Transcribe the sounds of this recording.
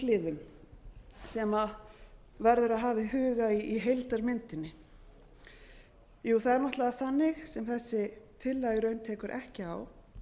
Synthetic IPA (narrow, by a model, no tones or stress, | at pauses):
lɪðʏm | sɛma | vɛɾðʏɾaðɦaːvɪɦʏːɣaiiɦejlt̪aɾmɪnt̪ɪnːɪ | juːθaðɛɾnɔht̪laːθanːɪxsɛmθɛsːɪt̪ʰɪlːaːjɾœɥnt̪ʰɛːkʏɾʔɛ̰hcɪa̰w